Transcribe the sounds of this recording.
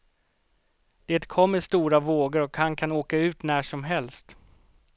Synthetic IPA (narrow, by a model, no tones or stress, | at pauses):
d̪̥eːt̪kʰɔmːəʂt̪uːɾavoːɡəɾɔkhankʰanoːkaʉ̟ːt̪næːʂɔmɦɛlst̪